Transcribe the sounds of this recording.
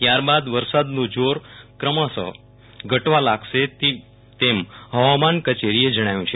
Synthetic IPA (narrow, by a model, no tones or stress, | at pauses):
t̪jaɾbad̪ʋəɾsad̪nũd͡ʒoɾkɾəmasə̰ | ɡʱəʈʋalaɡʃet̪i | t̪emɦəʋamankət͡ʃeɾied͡ʒəɽ̃ajũt͡ʃʰe